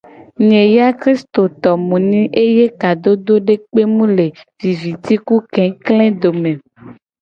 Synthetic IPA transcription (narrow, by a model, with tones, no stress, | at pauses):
ɲẽ˨ja˦kɾi˦st̪o˨t̪ɔ˨mũ˨nĩ˦ʔe˦je˦ka˨d̪o˦d̪o˦ɖe˦k͡pe˦mũ˦le˨vi˨vi˨t̪i˦ku˦kɛ̃˨˦klɛ̃˦d̪o˨mẽ˨